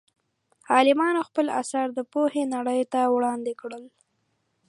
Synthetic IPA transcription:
ɑlɪmɑnoxpəla̰saɾd̪əpohenaɽəjt̪awɽɑnd̪ekɽəl

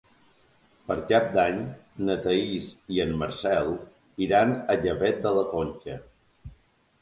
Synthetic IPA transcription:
pəɾkap̚d̪aɲnət̪əisiənməɾsɛlˠ | iɾanəʎəβɛt̪̚d̪ələkonʲt͡ʃə

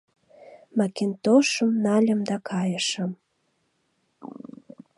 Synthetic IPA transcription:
mɑkint̪oʃəmnɑlʲə̆md̪ɑkʰɑjəʃəm

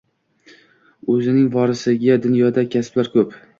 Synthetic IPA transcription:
ɵzɪnɪŋvɒɾɪsɪɡʲad̪ʊnjɒd̪akʲʰasblaɾkʰɵp

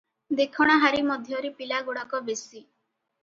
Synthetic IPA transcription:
d̪ekʰɔɽ̃ɔɦaɾimɔd̪ʱjɔɾipilaɡuɽɔkɔbesi

